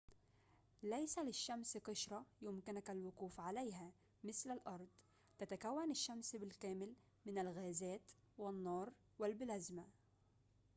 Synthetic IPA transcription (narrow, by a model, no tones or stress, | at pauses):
lajsalɪʃːamsqɪʃɾˤɑjʊmkɪnakalwʊquːfʕalajɦa | mɪθlalʔɑɾˤd̪ˤ | t̪at̪akawːanɪʃːamsbɪlkæːmɪl | mɪnalɣæːzæːt̪ | wɪnːɑːɾˤ | wɪlbɪlazma